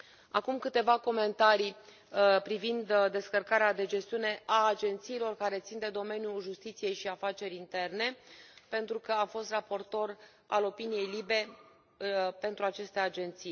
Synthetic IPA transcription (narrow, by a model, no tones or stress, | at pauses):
akumkɨt̪e̞vako̞me̞nt̪aɾi | pɾivind̪d̪e̞skərkaɾead̪e̞d͡ʒe̞st̪iune̞ʔaːd͡ʒe̞nt̪siːlo̞rkaɾe̞t̪sind̪e̞d̪o̞me̞njuʒust̪it̪sije̞jʃiafat͡ʃe̞ɾʲint̪e̞rne̞pe̞nt̪ɾukəafo̞st̪rapo̞rt̪o̞r | a̰lo̞pinije̞jlibe̞ | pe̞nt̪ɾuat͡ʃe̞st̪e̞ad͡ʒe̞nt̪sij